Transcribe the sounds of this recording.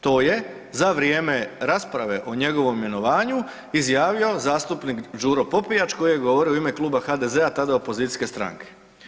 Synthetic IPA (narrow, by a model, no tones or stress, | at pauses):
t̪o̞ːje̞ | zaʋɾjeːme̞ɾaspɾaʋe̞ʔo̞ɲe̞ɡo̞ʋo̞mime̞no̞ʋaːɲu | izjaːʋio̞zaːst̪upnikd͡ʒuɾo̞po̞pijat͡ʃko̞jijeɡoʋo̞ɾioime̞klˠuːbaxad̪e̞zeat̪ad̪aopo̞zit̪i̥ske̞st̪ɾa̰ŋke̥